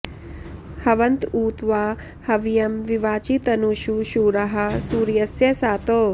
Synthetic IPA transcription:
hɐʋɐnt̪uːt̪ʋaː | hɐʋijɐmʋiʋaːt͡ʃit̪ɐnuʃuʃuːɾɐɦɐ̆suːɾjɐsjɐsaːt̪oː

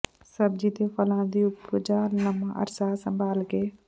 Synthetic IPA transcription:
sɐb̚d͡ʒit̪efɐlãːd̪iʊpud͡ʒaːlnɐmãʔɐ̰ɾsaːsəmbʱaːlɡeː

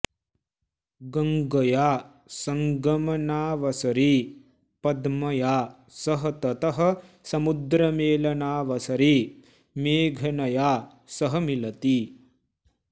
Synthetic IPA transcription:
ɡɐŋɡɐjaː | sɐŋɡɐmɐnaːʋɐsɐɾi | pɐd̪mɐjaː | sɐɦɐ̆t̪ɐt̪ɐɦɐ̆ | sɐmud̪ɾɐmeːlɐnaːʋɐsɐɾi | meːɡʱɐnɐjaː | sɐɦɐmilɐt̪i

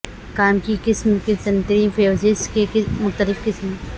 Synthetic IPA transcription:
kaːmkikɪsmket̪ɐnt̪ɾiːmfeːwzɪskekmʊxt̪əlɪfkɪsm

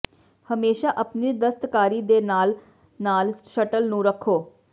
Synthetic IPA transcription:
həmeːʃaːʔəpniːd̪əst̪kaːɾiːd̪eːnaːl | naːlʃəʈəlnũːɾəkʰːoː

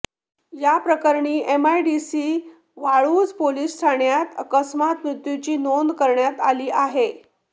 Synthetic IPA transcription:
japɾəkəɾɳiːʔemajɖisiː | ʋaɭũːd͡zpoliːsːt̪ʰaɳjat̪əkəsmat̪mɾut̪jut͡ɕiːnonkəɾɳjat̪aliːʔaɦe

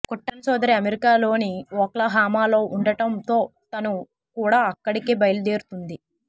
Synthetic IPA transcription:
kɔʈːɐnsɔːd̪ɐɾiɐmeɾikaːlo̞ːniɔːkɐlɐɦaːmaːlo̞ːʔuɳɖɐʈɐmt̪o̞ːt̪ɐnu | kuːɽaːɐkːɐɽikeːbɐjlɐd̪eːɾut̪und̪i

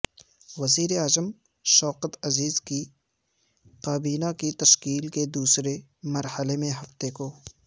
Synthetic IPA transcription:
ʋɐziːɾeaːzəm | ʃɔːqət̪ɐziːzki | qaːbiːnakit̪ɐʃkiːlked̪uːsɾe | mɐɾhəlemẽɦɐft̪ekoː

